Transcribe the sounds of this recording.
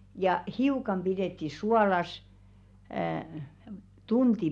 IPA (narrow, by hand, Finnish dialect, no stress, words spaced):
jɑ hiukɑm pideˑtːi suɑlɑs əː tunti